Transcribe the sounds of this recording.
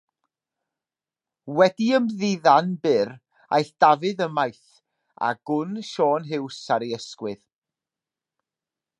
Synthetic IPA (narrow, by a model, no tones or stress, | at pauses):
wɛdiəmðɪðanbɪr | a̰jɬd̥avɨðəmajθ | a̰ɡ̥ʊnʃɔːnɦɪwsaɾeəskwɨð